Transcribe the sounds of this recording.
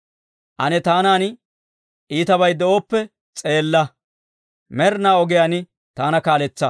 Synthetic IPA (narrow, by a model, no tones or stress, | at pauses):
ʔɐnɛt̪aːnaːnɪ | ʔiːt̪ɐβɐjd̪ɛʔoːpːɛ | t͡sʼe̞ːlːɐ | mɛɾnaːɔɡɪjaːnɪ | t̪aːnɐkaːlɛt͡sːɐ